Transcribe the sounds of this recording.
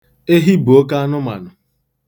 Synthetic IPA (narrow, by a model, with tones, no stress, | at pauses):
e˦ɦi˦bu˨o˦ka˦a˦nʊ˦ma̰˨nʊ˨